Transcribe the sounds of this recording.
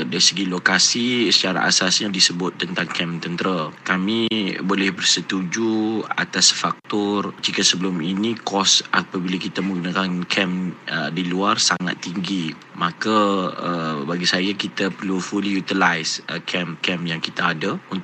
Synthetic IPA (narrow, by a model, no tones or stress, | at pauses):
daɾisəɡilokasisət͡ʃaɾa̰ʔa̰sasɲadisəbʊt̪̚ːənt̪aŋkʰɛmt̪ənt̪əɾakamibolɛhbərsət̪ud͡ʒua̰t̪asfak̚t̪ɔrd͡ʒikasəbəlʊminikɔsʔapabilakit̪amə̃ŋɡunakankʰɛmədiluarsaŋa̰t̪ːiŋɡi | makaəbaɡisajakit̪apərlufulijut̪ilajsəkʰɛmkɛmjaŋkit̪aːdaunt̪